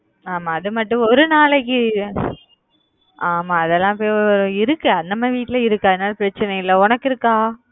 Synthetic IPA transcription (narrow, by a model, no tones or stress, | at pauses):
aːmaːɐðɯmɐʈːʊ̃ɔɾɯnaːɭɐk̬ːɯ | ʔaːmaːɐðɛlːãːpoːjɔɔɾɯɪɾɯkːɯɐðnd̪ɐmaːʋiːʈːɪlɐɪɾɯkːɯɐðɐnaːlpɪɾɐt͡ʃːɪnɐjɪlːɐɔnɐkːɪɾɯkːaː